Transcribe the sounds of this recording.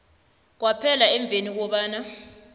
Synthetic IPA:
k̬wapʰɛlaɛɱb̪vʱenik̬ɔɓaːna

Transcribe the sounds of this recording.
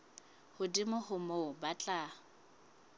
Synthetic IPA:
hʊdimʊhʊmobat͡ɬʼa

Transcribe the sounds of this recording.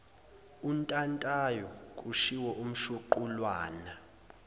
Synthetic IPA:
untʼantʼajɔkʼuʃiwɔʔum̩ʃuǃulwaːna

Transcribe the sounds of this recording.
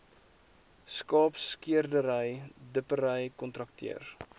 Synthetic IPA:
skɑːpskiərdəɾəjdəpəɾəjkɔntrɐk̚tʰḭər

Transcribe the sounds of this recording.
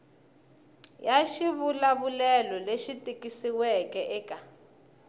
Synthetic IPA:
jaʃiβulaβulɛlɔleʃitʼikʼisiwɛkʼɛʔɛːkʼa

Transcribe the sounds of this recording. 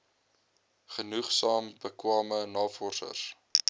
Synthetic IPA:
χənuχsɑːmbəkwɑːmənɑːfɔrsə̰r

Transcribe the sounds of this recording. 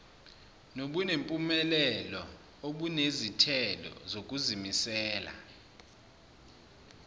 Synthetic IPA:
noɓunempʼumɛlɛlɔ | oɓunezitʰɛlɔ̰zok̬ʼuzimisɛːla̰

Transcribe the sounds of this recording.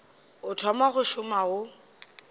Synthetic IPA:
ʊtʰɔmaɣʊʃʊmaʊ

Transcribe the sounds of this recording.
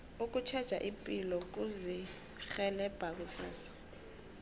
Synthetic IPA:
uk̬ʼut͡ʃʰɛd̥ʒ̥ʱa̰ʔimpʼilɔk̬uzi | xɛlɛb̥ʱak̬usaːsḁ

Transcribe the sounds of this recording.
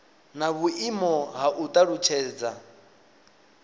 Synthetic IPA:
naβuʔimɔɦaʔut̪ʼaɺut͡ʃʰɛːd͡za

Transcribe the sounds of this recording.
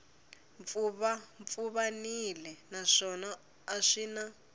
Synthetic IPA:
ɱfuβaɱfuβanilɛnaʂɔnaː | ʂiːna

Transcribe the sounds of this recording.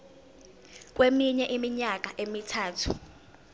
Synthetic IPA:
k̬wemiɲɛʔimiɲak̬ʼaʔemitʰaːtʰu

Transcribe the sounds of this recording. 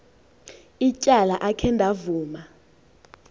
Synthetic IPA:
it͡ʃʼalaʔakʰɛndʱavuːma

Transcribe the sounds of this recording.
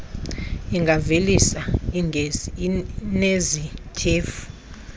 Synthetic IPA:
iŋɡʱavelisa | nezitʼʰeːfu̥

